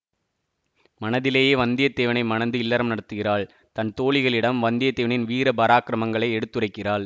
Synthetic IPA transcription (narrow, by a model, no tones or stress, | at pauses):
mɐnɐðɪleːjeːʋɐnd̪ɪjɐt̪ːeːʋɐnɐɪmɐnɐnd̪ɯɪlːɐɾɐmnɐɽɐt̪ːɯɣɪraːɭ | t̪ɐnt̪oːɭɪɣɐɭɪɽɐmʋɐnd̪ɪjɐt̪ːeːʋɐnɪnʋiːɾɐbɐɾaːkɪɾɐmɐŋɡɐɭɐɪɛɽɯt̪ːɯrɐɪkːɪraːɭ